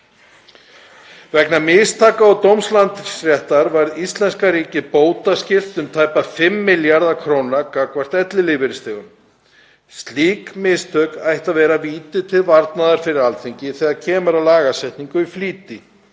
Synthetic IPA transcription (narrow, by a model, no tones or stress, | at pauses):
vɛknamɪst̪ʰaːkaːwt̪owmslant̪sɾjɛht̪aɾvaɾðist̪lɛnskaɾiːcɪpoːwt̪ascɪl̥t̪ʏmt̪ʰaːjpafɪmːɪljaɾðakʰɾoːwnakakvar̥t̪ɛt̪lɪlɪːvɪɾɪst̪ɪːɣʏm | st̪liːkmɪst̪ʰœkajht̪avɛːɾaviːt̪ɪt̪ʰɪlvaɾt̪naðaɾ̥fɪɾɪɾalθʰiɲcɪθɛɣacʰɛːmaɾawlaːɣasɛjht̪niŋkʏifliːt̪ɪ